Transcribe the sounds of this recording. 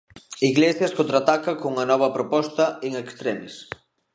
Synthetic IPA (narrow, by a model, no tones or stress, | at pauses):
iɣlesjɐskont̪ɾat̪akɐkoŋɐnɔβɐpɾopɔst̪ɐeŋekst̪ɾɛmes